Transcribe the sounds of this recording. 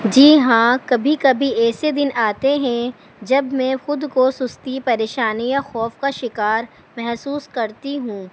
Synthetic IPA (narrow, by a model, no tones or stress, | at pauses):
d͡ʒiːɦãːkɐbʱikɐbʱiɛːsed̪ɪnaːt̪eɦɛ̃ | d͡ʒɐbmɛ̃xʊd̪kosʊst̪ipɐɾeːʃaːnijaxɔːfkaʃɪkaːɾ | mɛɦsuːskɐɾt̪iɦũː